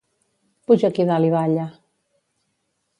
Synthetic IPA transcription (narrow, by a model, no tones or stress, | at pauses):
puʒakiðaliβaʎa